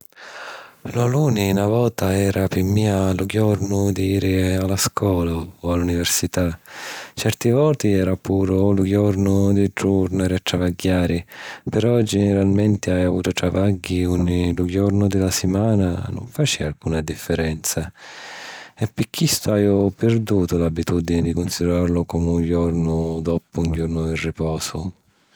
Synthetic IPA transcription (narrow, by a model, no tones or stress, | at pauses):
laluːninavɔːt̪aɛːɾʔapɪmiːalʊɡjɔrnʊd̪iiːɾɪalaskwɔːlaːalːunivɛrsit̪at͡ʃɛrt̪ivɔːt̪iɛːɾapuːɾʊluɡjɔrnʊd̪ɪd͡ʒuɾnaɾɪat̪ːɾavaɡːaːɾɪpɛɾɔd͡ʒɛnɛɾalmɛnt̪ɪajavuːt̪ʊt̪ɾavaɡːiuɲːilʊɡɔrnʊd̪ɪlasɪmaːna̰nʊ̰ɱfat͡ʃialkuːnad̪ifːɪɾɛnt̪sa | ɛpːikʰːist̪ʊajʊpɪɾd̪uːt̪ʊlabit̪ud̪inɪd̪ikʊnsid̪ɛɾarlʊkɔmuŋɟɔrnʊd̪ɔpʊuɲɟɔrnʊd̪irːipɔːsʊ